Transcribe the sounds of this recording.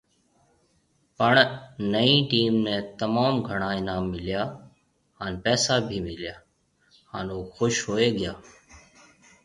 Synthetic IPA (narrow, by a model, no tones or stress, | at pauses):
pəɳnəĩːʈiːmnẽːt̪əmaːmɡʱəɳ̃ãːɪnaːmːɪlɪjaː | haːnpɛːsaːbʱiːmɪljaː | haːnoːxoʃɦoːeːɠɪjaː